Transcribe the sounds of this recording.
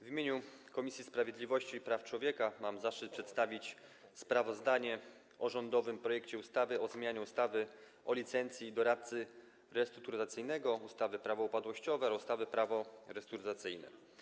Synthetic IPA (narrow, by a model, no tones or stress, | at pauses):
vʲimʲjeɲukɔmʲisʲjispɾavʲjeɛd̪lʲivɔɕt͡ɕipɾaft͡ʂwɔvʲjɛkamamzaʂɘt̪̚pʂɛt̪st̪avʲit͡ɕspɾavɔzd̪aɲɛ | ʔɔʐɔnd̪ɔvɘmpɾɔjɛkt͡ɕɛust̪avɘɔzmʲjaɲɛust̪avɘ | ʔɔlʲit̪sɛnt̪sʲjid̪ɔɾat̪̚t̪sɘ | ɾɛst̪ɾut̪uɾt̪at̪sɘjnɛɡɔust̪avɘpɾavɔupad̪wɔɕt͡ɕɔvɛust̪avɘpɾavɔɾɛst̪uɾt̪at̪sɘjnɛ̰